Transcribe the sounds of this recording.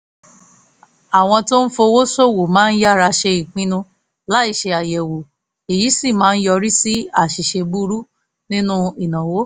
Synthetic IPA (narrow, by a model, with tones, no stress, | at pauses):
a˨w̃ɔ̃˧to˦n̩˦fo˧wo˦so˦˨wo˨mãː˨˦n̩˦ja˦˨ɾa˧ʃe˧i˨k͡pĩ˧nũ˧ | la˨˦i˦˨ʃe˧a˨jɛ˨wo˨ | e˨ji˨˦si˦˨mãː˨˦n̩˦jɔ˧ɾi˦si˦a˦˨ʃi˨ʃe˧bu˦ɾu˦ | nĩ˦nũ˦i˨nã˨wo˨˦